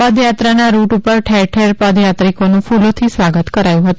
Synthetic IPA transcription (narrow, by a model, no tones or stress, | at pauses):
ad̪jat̪ɾanaɾuʈupəɾʈʰeɾʈʰɛɾpad̪jat̪ɾikonũfulot̪ʰisʋaɡət̪kəɾajũɦət̪u